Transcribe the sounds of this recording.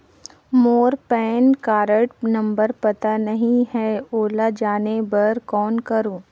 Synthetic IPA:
moːɾpɛːnkaːɾəʈnɐ̃mbəɾpɐt̪anɐɦĩhɛoːlad͡ʒaːnebɐɾkɔːnkɐɾoː

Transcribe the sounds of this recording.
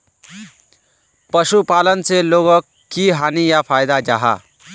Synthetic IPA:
pəʃupalənseloɡəkʰːiɦanijapʰajd̪ad͡ʒa̰ɦa̰

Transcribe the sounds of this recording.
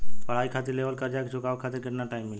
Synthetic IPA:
pəɽ̤aːikʰat̪ɪɾleːʋəlkəɾd͡ʒakʰd͡ʒʰokaːʋkʰat̪ɪɾkɪʈnaʈaːɪmːɪl

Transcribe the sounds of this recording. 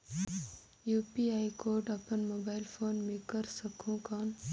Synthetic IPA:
juːpiajkoːɖɐpənmobaɪlfʰoːnmikəɾsəkʰũkaːn

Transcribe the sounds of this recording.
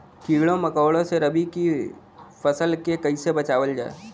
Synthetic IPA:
kiːʋɭõmɐkaːwɭõseɾəbʱiki | fʰɐsəlkekɐisebɐt͡ʃaːʋəld͡ʒa̰ːḛ

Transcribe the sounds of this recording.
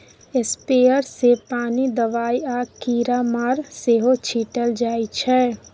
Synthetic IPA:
ɪspeːəɾsepaːnid̪əʋaːiaːkiːɾamaɾseːɦot͡ʃʰiːʈəld͡ʒaːit͡ʃʰɛː

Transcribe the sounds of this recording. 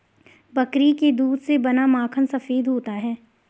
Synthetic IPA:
bɐkɾiked̪uːd̪sebɐnamaːkʰənsɐfeːd̪ɦoːt̪aɦɛː

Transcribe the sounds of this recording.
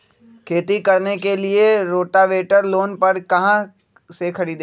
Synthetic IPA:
kʰeːt̪ikɐɾnekelieɾoːʈaʋeːʈəɾloːnpɐɾkɐɦã | sekʰɐɾiːd̪e

